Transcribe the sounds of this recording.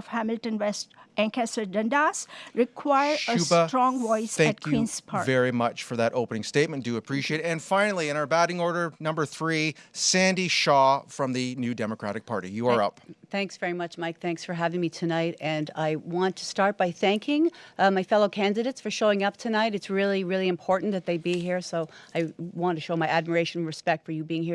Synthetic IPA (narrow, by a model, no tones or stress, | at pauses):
fhæmɪlʈə̃nwɛstæ̃ŋkɛsə˞ɖə̃ndasɹɪkʰwaɪəɾəʉbətɹɔ̃ŋʋɔɪsæ̃æt̚kkwĩnspʰɑɹvɛɹimʌt͡ʃfə˞ðɨɾʔoʊpənɪ̃ŋsteɪt̚mɨ̃nd̥ɨɨpʰɹ̥iʃieɪɾɨ̃nfãɪ̃nl̩ˠiɨ̃naʊə˞bæɾɪ̃ŋɔɹɾə˞nʌ̃mbə˞θɹisæ̃ndiʃɔfɹʌ̃mðɨnʉdɛməkʰɹ̥æ̰ɾɨk̚pʰɑ̰ɹɾḭjɨə˞ʌpθæ̃ŋksv̥ɛɹimʌt͡ʃmaɪk̚θæ̃ŋksfə˞ɦævɪ̃ŋmitʰɨnaɪɾɨ̃na̰ɪwɑ̃ntʰɨ̥stɑɹt̚b̥aɪθæ̃ŋkʰɪ̃ŋmaɪfɛlˠoʊkʰæ̃ndɨɾeɪtsfə˞ʃoʊɪ̃ŋʌp̚tʰɨnaɪɾɨtsɹɪlˠiɹɪlˠiɨ̃mpʰɔɹʔn̩ðɨt̪̚ðeɪbiɦiɹsoʊaɪwɑ̃ntʰɨʃoʊmaɪʔæd̚mə˞eɪʃɨ̃n̩ɹɨspɛk̚tfə˞jɨbiɪ̃ŋhi